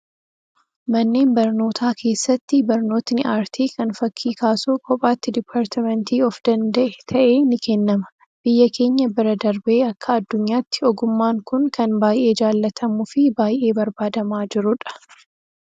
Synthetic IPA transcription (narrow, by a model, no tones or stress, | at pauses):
mɐnːe̞ːnbɐɾno̞ːt̪ʰaːkʰe̞ːsːɐt̪ːɪbɐɾno̞ːt̪nɪʔaːɾt̪ʰiːkɐnfɐkʰːiːkaːsukʼɔpʼaːt̪ːɪd̪ɪpʰːaːɾt̪ɐmɛnt̪iːɔfd̪ɐnd̪ɐʔɛt̪ʰɐʔe̞ːnɪkɛnːɐmɐ̥ | b̥ɪjːɐkʰe̞ːɲːɐbɪɾɐd̪ɐɾbe̞ːɐkːɐːd̪ːʊɲːaːt̪ːɪ̥ɔɡʊmːaːŋkʊnkɐnbaːjʔe̞ːd͡ʒaːlːɐt̪ʰɐmʊfɪbaːjʔe̞ːbɐɾbaːd̪ɐmaːd͡ʒɪɾʊᶑɐ̥